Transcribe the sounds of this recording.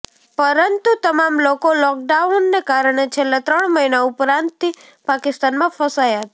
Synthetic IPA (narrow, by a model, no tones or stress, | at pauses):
pəɾənt̪ut̪əmamlokolɔk̚ɖaunːekaɾɳ̃et͡ʃʰelːãt̪ɾəɳməinaupɾãnt̪t̪i | pakɪst̪anmãfəsajat̪